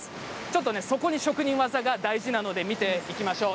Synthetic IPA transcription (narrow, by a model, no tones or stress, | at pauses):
ɨ̥ | t͡ɕo̞t̪ːo̞ne̞so̞ko̞ɲ̟iɕo̞kɯ̟ɲ̟ĩɰ̃βazaɡad̪aiʑinano̞d̪e̞mʲit̪e̞ikʲimaɕo̞ː